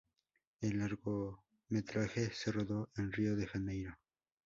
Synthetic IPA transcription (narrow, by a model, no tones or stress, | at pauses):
elːaɾɣo | me̞t̪ɾaxe̞se̞roðo̞ʔenrioðexand̪ejno